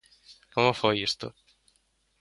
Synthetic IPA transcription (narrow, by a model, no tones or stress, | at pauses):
komefɔist̪o̰